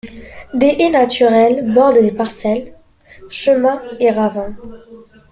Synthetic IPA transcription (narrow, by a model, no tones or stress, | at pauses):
d̪eʔenat̪ʰyʁɛlbɔʁd̪əd̪epaʁsɛl | ʃəmɛ̃eʁavɛ̃